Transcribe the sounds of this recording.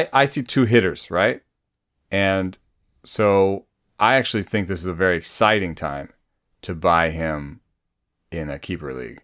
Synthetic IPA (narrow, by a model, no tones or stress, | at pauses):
ɪʔaɪsitʰʉɦɪɾə˞z̥ɹaɪt̚ | ɨ̃n | soʊ | ʔaɪæk̚t͡ʃʉl̩ˠiθɪ̃ŋk̚ðɪsɨzəvɛɹiɨksaɪɾɪ̃ŋtʰã̰ɪ̃m | tʰɨbaɪɪ̃m | ɪ̃nɨkʰipə˞lḭɡ̥